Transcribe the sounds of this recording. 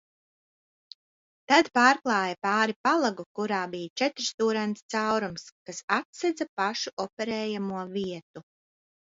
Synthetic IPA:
t̪ad̪paːɾklˠɑːjapaːɾipalˠaɡukuɾaːbijt͡ʃɛt̪ɾst̪uːɾanst̪sawɾumskasat̪sɛd̪zapaʃuʔɔpɛɾɛːjamuɔviɛt̪u

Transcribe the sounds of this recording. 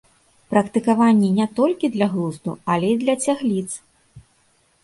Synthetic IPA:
pɾɐkt̪ɨkavanʲːinʲɛt̪ɔlʲkʲid̪lʲɐɣlˠuzd̪uɐlʲɛid̪lʲɐt͡sʲaɣlʲit̪s

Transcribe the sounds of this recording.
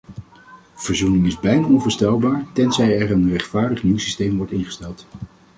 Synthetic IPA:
v̥əɹzunɪŋɪzbɛjnaːɔnvəːɹstɛlˠbaːɹtɛnzɛjɛɹənrɛχtfaːɹdəχniwsistejmʋɔɹtɪnχə̥stɛlˠt

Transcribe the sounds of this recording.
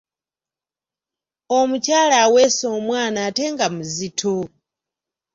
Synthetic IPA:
ɔmut͡ʃalaːwɛsɔːmwaːnaːtɛŋɡamuzitʰo

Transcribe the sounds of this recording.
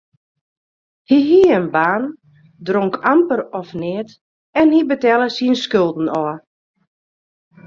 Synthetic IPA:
hiɦiəənbaːn | droŋkʰampəɾɔfnɪət | ɛnhibətɛlˠəsiənskølˠdn̩ɔ

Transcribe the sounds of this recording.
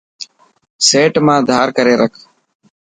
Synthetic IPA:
seːʈmãːd̪ʱaːɾkəɾeːɾəkʰ

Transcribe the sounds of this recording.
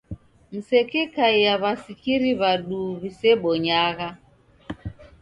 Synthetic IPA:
m̩sɛkɛkaijaβasikiɾiβaɗuβisɛɓɔɲaɣa

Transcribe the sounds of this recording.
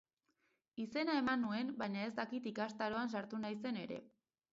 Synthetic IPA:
ise̞nae̞manue̞nbajɲae̞zt̪akit̪ikast̪aɾo̞ansaɾt̪unajse̞ne̞ɾe̞̰

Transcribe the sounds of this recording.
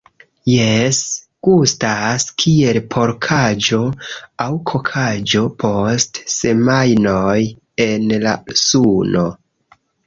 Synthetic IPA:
jes | kustaskʰie̞lpʰo̞ɾkʰad͡ʒo̞awkʰo̞kʰad͡ʒo̞pʰo̞stse̞majnoj | e̞nla̰suno

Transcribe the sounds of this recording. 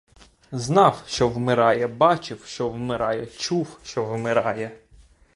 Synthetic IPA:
znɑwʃt͡ʃɔwmɪɾɑjɛbɑt͡ʃɪwʃt͡ʃɔwmɪɾɑjɛt͡ʃuwʃt͡ʃɔwmɪɾɑjɛ

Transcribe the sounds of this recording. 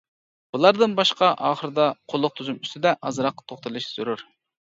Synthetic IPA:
b̥ulˠɑɾd̪ɨnbɑʃqɑʔɑːχəɾɨd̪ɑqʰolˠːʊq̚t̪ʰuzumyst̪ɪd̪ɛʔɑzɾɑqːɑ̥t̪ʰoχt̪ɨlˠɨʃz̥yɾuɾ

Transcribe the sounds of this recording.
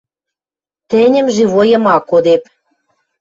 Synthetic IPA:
t̪ĕnʲə̆mʒeβojɤ̆mɑkod̪ep̚

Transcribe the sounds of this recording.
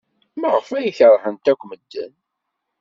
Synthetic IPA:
məʁəfæjiçəɾˤħənt̪ækʷːməd̪ːə̰n

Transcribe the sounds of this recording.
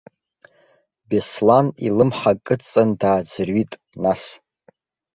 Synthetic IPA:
beslanilɨmħakʼɨt͡sʼandaːd͡zrɥitʼ | nas

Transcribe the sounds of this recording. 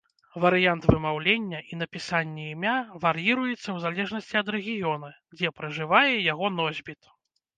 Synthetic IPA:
vɐɾɨjant̪vɨmawlʲenʲːɐʔin̪ɐpʲisanʲːɛimʲavaɾjiɾujɛt̪sːɐwzalʲɛʐnɐsʲt͡sʲiɐd̪ɾɛɣʲijɔnɐ | d͡zʲɛpɾɐʐɨvajɛjaɣɔnɔzʲbʲit̪

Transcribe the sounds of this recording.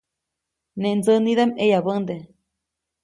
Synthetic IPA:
neʔnd͡zəniðamejaβənd̪e

